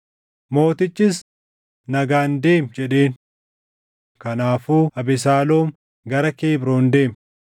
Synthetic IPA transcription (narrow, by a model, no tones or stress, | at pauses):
mo̞ːt̪ɪt͡ʃːɪs̬ | nɐɡaːnd̪e̞ːmd͡ʒɛᶑe̞ːn | kɐnaːfuːɐbɪs̬aːloːm | ɡɐɾɐke̞ːbɾo̞ːnd̪e̞ːm